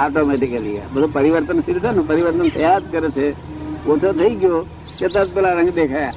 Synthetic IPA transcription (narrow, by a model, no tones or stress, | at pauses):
aːʈoːmɛːʈɪkelija̰bɐd̪opɐɾɪʋəɾt̪ənsɪɾsənũpɐɾɪʋəɾt̪ənt̪ɐjaːd̪̚kɐɾet͡ʃʰe | ot̪ʰot̪ʰɐik̬ɪjo | ket̪ɐt̪̚pɪlaɾɐ̃ŋɡd̪eːkʰaj̰